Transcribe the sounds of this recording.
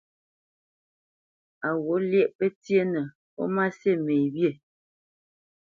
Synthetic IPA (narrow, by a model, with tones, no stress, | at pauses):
a˨wo˨˦ljɛ˦˨ʔpə˦tje˦nə˨ | ɔ̰˦ma˦se˦˨me˨bje˦˨